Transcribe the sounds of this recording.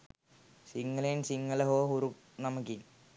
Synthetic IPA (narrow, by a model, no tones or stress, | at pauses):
siŋːɐlɐjnsiŋːɐlɐɦoːɦuɾuk | nɐmukːi